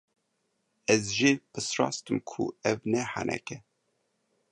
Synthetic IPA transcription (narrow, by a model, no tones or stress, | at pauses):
ɛzʒeːpʰɨsrɑ̰ːst̪ɨmkʰṵɛvnɛha̰nʔɛ̰kɛ